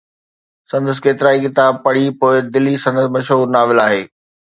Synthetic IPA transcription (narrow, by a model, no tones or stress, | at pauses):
sɐ̃nd̪əs̬keːt̪ɪɾaːikɪt̪aːb̚pɐɽ̤ipoːɪd̪ɪlisɐ̃nd̪əsmɐʃɦuːɾnaːʋɪlaːɦeː